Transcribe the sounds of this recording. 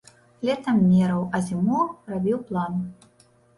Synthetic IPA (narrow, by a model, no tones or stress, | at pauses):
lʲɛt̪ɐmːʲɛɾɐwɐzʲimɔrabʲiwplˠan